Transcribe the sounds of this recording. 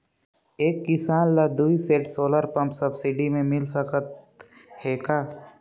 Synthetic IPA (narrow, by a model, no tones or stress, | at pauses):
eːkːɪsaːnlad̪uːiseːʈsoːləɾpɐ̃mpsɐbsɪɖimẽmɪlsəkət̪̚ | heːkaː